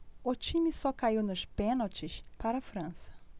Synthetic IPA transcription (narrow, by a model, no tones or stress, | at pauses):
ʊt͡ʃĩmɪsɔkaiwnʊʃpẽnowt͡ʃɪʃpaɾɐfɾɐ̃sɐ̥